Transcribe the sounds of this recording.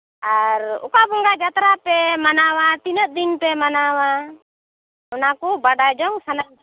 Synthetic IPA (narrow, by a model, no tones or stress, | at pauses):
aɾṵkabɔŋɡad͡ʒat̪ɾapɛmanawat̪inət̪̚d̪inpɛmanawa | ɔnakɔbaɖad͡ʒɔŋsana